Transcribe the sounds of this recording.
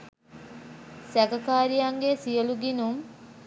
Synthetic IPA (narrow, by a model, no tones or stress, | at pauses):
sækɐkaːɾijaŋɡesijəluɡinum